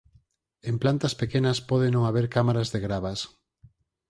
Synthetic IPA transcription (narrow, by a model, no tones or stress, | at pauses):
emplant̪ɐspekenɐspɔðenõŋaβeɾkamaɾazðeɣɾaβas